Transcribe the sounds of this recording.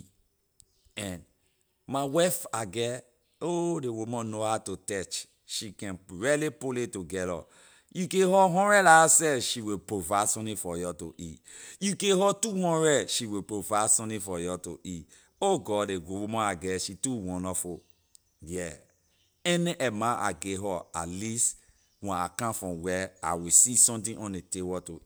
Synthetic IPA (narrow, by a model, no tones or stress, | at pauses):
ɛ̃n | mawafaɡɛ | odewumãnohatotɛt͡ʃ | ʃikɛ̃nɹɛlipoletuɡɛlɔ̰ | jukẽhɔɦɔ̃ndɹɛdaasɛfʃiwipɹovasɔ̃nifɔjɔto̰ʔijukeɦɔtuhɔ̃nɹɛdʃiwipɹovaɪdsɔ̃tĩfɔjɔto̰ʔi | oɡɔdeɡowumɔ̃aɡɛʃituwɔ̃nɔfu | jɛ | ɛniʔɛmãʔa̰ɡeɦɔa̰tlist | wɛ̃na̰kãfɹɔ̃wɛa̰wisisɔ̃mt̬ĩʔɔ̃nitewɔto